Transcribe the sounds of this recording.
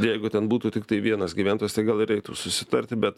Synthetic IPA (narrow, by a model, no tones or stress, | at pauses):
jɛɪɡʊt̪ʲɛnbuːt̪uːt̪ʲɪkt̪ɐɪʋʲiɛnɐsɡʲiʋʲæːnt̪ojɛst̪ɐɪɡɐlˠɪɾʲɛɪt̪ṵːsʊsʲɪt̪ɐɾʲt̪ʲɪbʲɛt̪